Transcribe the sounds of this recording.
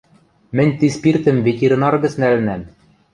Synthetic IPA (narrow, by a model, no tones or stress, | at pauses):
mɘ̆nʲt̪ispirt̪ɘ̆mvʲet̪ʲeɾʲĭnɑrɡɤ̆snælɘ̆næm